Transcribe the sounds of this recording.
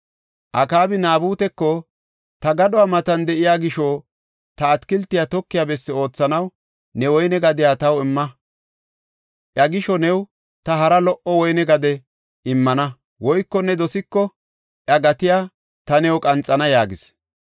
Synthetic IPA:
ʔɐkaːbɪnaːbuːt̪ɛkːɔ | t̪ɐɡɐɗɔwaːmɐt̪ɐnd̪ɛʔɪjaːɡɪʃɔː | t̪ɐːt̪kɪlt̪ːɪjat̪ɔkːɪjabɛsːɛo̞ːt͡sːɐnɐw | nɛwɔjnɛɡɐd̪ɪjaːt̪ɐwɪmːɐ | ʔjɐɡɪʃɔnɛw | t̪ɐɦɐɾɐlɔʔɔwɔjnɛɡɐd̪ɛ | ɪmːɐnɐ | wɔjkːɔnːɛd̪ɔsɪkːɔ | ʔjɐɡɐt̪ɪjaː | t̪ɐnɛwkʼɐnt͡sʼːɐnɐjaːɡɪs

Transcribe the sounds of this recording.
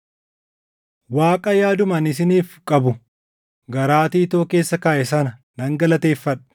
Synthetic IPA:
waːkʼɐjaːd̪ʊmɐnɪs̬ɪniːfkʼɐbʊ | ɡɐɾaːt̪iːt̪oːke̞ːsːɐkaːʔɛsɐnɐ | nɐŋɡɐlɐt̪e̞ːfːɐᶑɐ̥

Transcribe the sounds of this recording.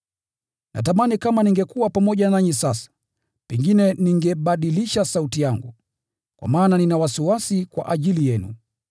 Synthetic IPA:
nʔa̰t̬amanikamaniŋɡɛkuwapamɔʄanaɲisasḁ | pɛŋɡinɛniŋɡɛɓaɗiliʃasautijaŋɡu | kwa̰maːnaninawasiwasikwa̰ʔaʄilijɛnṵ

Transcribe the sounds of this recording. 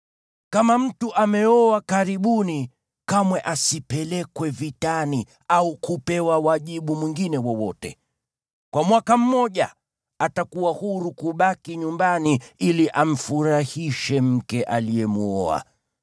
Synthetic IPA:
kamam̩tuʔamɛɔakaɾiɓuni | kamwɛʔasipɛlɛkwɛvitani | aukupɛwawaʄiɓumwiŋɡinɛwɔwɔtɛ | kwamwakam̩mɔʄa | atakuwahuɾukuɓakiɲumbaniiliʔam̩fuɾahiʃɛm̩kɛʔalijɛmuɔ̰a̰

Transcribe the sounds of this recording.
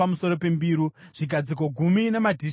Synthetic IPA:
amuso̞ɾo̞pe̞mbiːɾu | ʐ̥iɡʱad͡zik̬o̞ɡʱuminamadʱi

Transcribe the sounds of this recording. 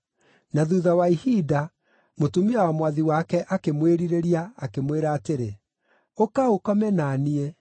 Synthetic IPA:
naðuðawaihida | motumiawamwaðiwakɛʔakemweɾiɾeɾiaːkemweɾaːteɾe | okaokɔmɛnaniɛ

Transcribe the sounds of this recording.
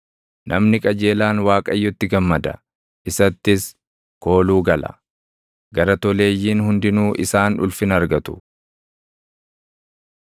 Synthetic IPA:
nʔɐmnɪkʼɐd͡ʒe̞ːlaːnwaːkʼɐjːɔt̪ːɪɡɐmːɐd̪ɐ̰ | ʔɪsɐt̪ːɪs | ko̞ːluːɡɐlɐ̰ | ɡɐɾɐt̪ɔle̞ːjːiːnhʊnd̪ɪnuːʔɪsaːnᶑʊ̰lfɪnɐɾɡɐt̪ʊ̥

